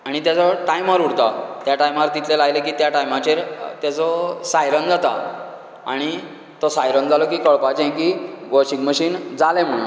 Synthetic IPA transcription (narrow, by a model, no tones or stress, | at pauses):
aɽ̃it̪jat͡sɔʈajmaɾuɽt̪at̪jaʈajmaɾt̪it̪lelajlekiːt̪jaʈajmat͡ɕeɾt̪jat͡sɔsajɾənd͡zat̪a | aɽ̃i | t̪ɔsajɾənd͡zalɔkiːkəɭpad͡ʑẽj̃kiɡoɕikməɕiːnd͡zalɛ̃m̤əɭuːn